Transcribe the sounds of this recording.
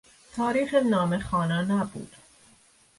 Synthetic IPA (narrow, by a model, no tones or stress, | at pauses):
t̪ʰɒːɾiːxenɒːmexɒːnænæbṵːd̪̥